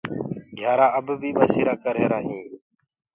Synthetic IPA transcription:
ɡʱjaːɾaːəbbʱiːɓaːsiːɾaːkəɾeːɾaːɦĩː

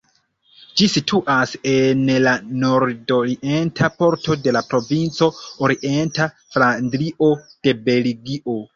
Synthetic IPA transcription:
d͡ʒisitʰuʔasenlano̞ɾdoɾiʔe̞ntʰapo̞ɾto̞de̞lapɾo̞vint͡so̞oɾiʔe̞nta | flandɾiʔo̞d̥e̞be̞liɡiʔo̞

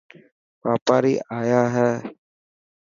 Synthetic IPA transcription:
ʋaːpaːɾḭːʔaːjaːɦɛː

